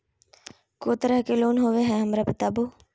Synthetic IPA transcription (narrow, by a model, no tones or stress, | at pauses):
koːt̪əɾəɦkeloːnɦoːʋeɦɛ̃ɦɐmɾapət̪aːboː